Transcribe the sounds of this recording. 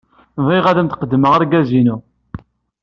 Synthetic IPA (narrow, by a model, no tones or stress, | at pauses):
vˤiʁæðæmt̪qəd̪ːməʁəɾɡæzinu